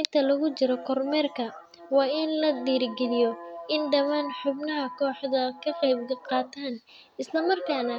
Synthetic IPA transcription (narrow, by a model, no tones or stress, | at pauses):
ɪnt̪ʰɐlɐɣʊt͡ʃɪɾɔkʰɔrmɛːrkʰɐ | wɑːɪnlɐd̪iːɾɡɛlɪjɔɪnɖɐmaːnħʊbnɐɦɐkʰɔːħd̪ɐkʰɐqɑjb̚ɡqɑːt̪ʰaːn | ɪslɐmɐrkʰaːnɐ